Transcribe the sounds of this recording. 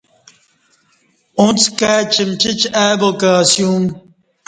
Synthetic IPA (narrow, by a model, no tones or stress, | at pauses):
ũnt͡skaːt͡ɕimt͡ɕit͡ɕaːbokasjũm